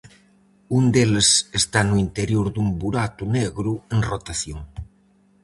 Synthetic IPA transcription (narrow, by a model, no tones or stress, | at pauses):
und̪elesest̪anuint̪eɾjoɾðumbuɾat̪uneɣɾueŋrot̪aθjoŋ